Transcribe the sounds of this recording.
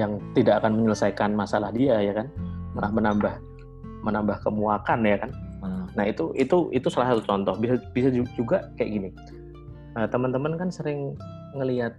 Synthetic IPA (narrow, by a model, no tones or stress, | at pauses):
jaŋt̪idakakanməɲələsajkanmasalahdiajakanməlahmənambah | mənambahkəmuakanjakannaɦit̪uʔit̪uʔit̪usəlasat̪ut͡ʃɔnt̪ɔhbisabisad͡ʒud͡ʒuɡakajaʔɡini | əːt̪əmənt̪əmənkansəɾɪŋ | ŋəliat̪̚